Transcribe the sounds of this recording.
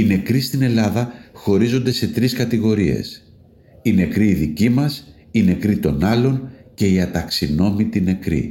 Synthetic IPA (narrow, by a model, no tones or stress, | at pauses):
ine̞kɾist̪ine̞lɐðɐxo̞ɾizo̞nd̪e̞se̞t̪ɾiskɐt̪iɣo̞ɾie̞̰s | ine̞kɾiːðicimɐs | ine̞kɾit̪o̞nɐlo̞nce̞iɐt̪ɐksino̞mit̪ine̞kɾḭ